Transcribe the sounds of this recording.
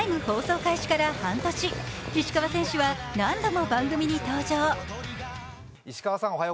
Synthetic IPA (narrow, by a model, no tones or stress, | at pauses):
imɯ̟ho̞ːso̞ːkaiɕi̥kaɾahãnt̪o̞ɕiiɕi̥kaβasẽ̞ɰ̃ɕɨβanãnd̪o̞mo̞bãŋɡɯ̟mʲiɲ̟it̪o̞ːd͡ʑoː | iɕi̥kaβasãoɦajo